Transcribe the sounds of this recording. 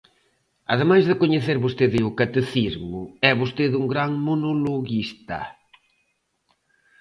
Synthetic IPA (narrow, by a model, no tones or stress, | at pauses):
ɐðemajzðɪkoɲeθeɾβost̪eðɪʊkat̪eθizmʊɛβost̪eðuŋɡɾaŋmonoloɣist̪ɐ̰